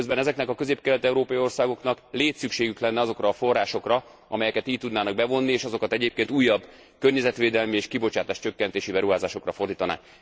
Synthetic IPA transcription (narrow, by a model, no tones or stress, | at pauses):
øzbɛnɛzɛknɛkɒkøzeːp̚kɛlɛt̪ɛuɾoːpɒjio̞rsaːɡo̞knɒkleːt̪sykʃeːɡyklɛnːɛɒzo̞krɒːfo̞rːaːʃo̞krɒ | ɒmɛjɛkɛt̪iːc̪̚t̪ud̪naːnɒɡ̚bɛvo̞nːieːʃɒzo̞kɒt̪ɛɟeːp̚keːnt̪uːjːɒbː | kørɲɛzɛt̪ʋeːd̪ɛlmieːʃkibo̞t͡ʃaːt̪aːʃt͡ʃø̞kːɛnt̪eːʃibɛɾuɦaːzaːʃo̞krɒfo̞rd̪iːt̪ɒna̰ːk